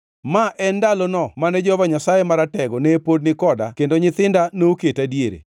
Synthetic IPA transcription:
maʔɛndalɔnɔmanɛd͡ʒɔbaɲasajemaɾatɛɡɔnɛːpodnɪkɔdakendoɲɪt̪ɪndanouketadieɾḛ

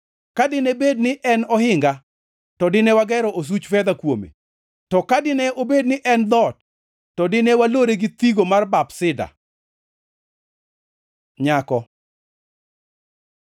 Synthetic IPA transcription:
kadɪnɛbed̚nɪʔɛnɔhɪŋɡa | tɔdɪnɛwaɡɛɾɔʔos̬ut͡ʃfɛd̪akwomḛ | tɔkadɪnɛobednɪʔɛnd̪ɔt̚ː | ɔdɪnɛwaloɾeɡɪt̪iɡomarbapsɪda̰ | ɲakɔ

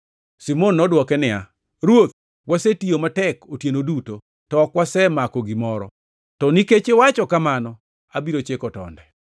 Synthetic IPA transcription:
simonːɔdwɔkɛnɪa̰ | ɾwot̪ | wasetiomatɛkotjenoduto | tɔkwasɛmakɔɡɪmɔɾɔ̰ | tɔniket͡ʃewat͡ʃɔkamanɔ | abiɾot͡ʃekɔtɔ̰ndɛ

